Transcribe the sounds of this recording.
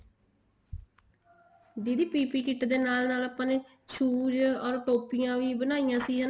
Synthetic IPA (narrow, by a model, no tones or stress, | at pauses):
d̪iːd̪iːpiːpiːkɪʈd̪eːnaːlnaːlaːpãːneː | t͡ʃʰuːd͡ʒɔːɾʈoːpɪjãːʋiːbənaːijãːsiːə